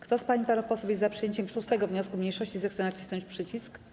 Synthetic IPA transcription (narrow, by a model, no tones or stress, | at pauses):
kt̪ɔspaɲipanufpɔsufjɛst̪zapʂɨjeɲt͡ɕɛmʂust̪ɛɡɔvɲɔskumɲejʂɔɕt͡ɕizɛxt̪sɛnaki̥st̪ɔ̃ɲt͡ɕpʂɘt͡ɕisk